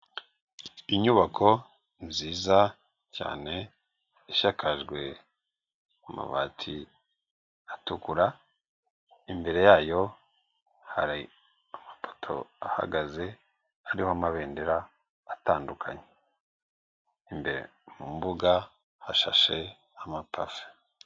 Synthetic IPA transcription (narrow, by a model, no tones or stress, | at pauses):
iɲuβakʰo̞ | ziːza | ca̰ːne̞ː | ʃakʰaʒɡwe̞ | uma̰βaːtʰi | atukuɾa | imbe̞ɾe̞jaːjo̞ | haɾi | amapʰo̥tʰo̞̰aha̰ɡaze̞ | aɾihoamaβe̞ːndeɾaː | taːndukʰaɲe | imbe̞ɾḛ | mumbuɡa | haʃaʃe̞ | amapafe̥